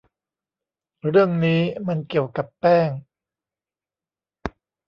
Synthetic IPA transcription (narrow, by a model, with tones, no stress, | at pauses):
ɾɯ˥˩əŋniː˦˥ma˧nki˨˩əwka˨˩pːɛː˥˩ŋ